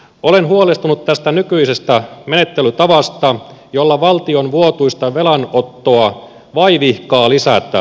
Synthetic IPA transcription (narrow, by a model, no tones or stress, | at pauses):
ʔo̞le̞nɦuolest̪unut̪t̪æst̪ænykyise̞st̪æme̞ne̞t̪ːelyt̪ɑʋɑst̪ɑjo̞lːɑʋɑlt̪ionʋuot̪uist̪ɑʋe̞lɑno̞t̪ːoɑ | ʋɑiʋihkɑːlisæt̪æ̰